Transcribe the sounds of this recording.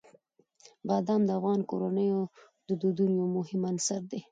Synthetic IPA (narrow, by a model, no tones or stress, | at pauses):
bɑd̪ɑmd̪əafɣɑnkoɾanəjo | d̪əd̪od̪unjomʊhɪmansaɾd̪e